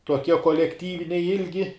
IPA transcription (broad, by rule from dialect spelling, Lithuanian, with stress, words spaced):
tuɔˈkʲiɛ koːlʲɛkˈtʲiːʋʲɪnʲɛɪ ˈɪlʲɡʲɪ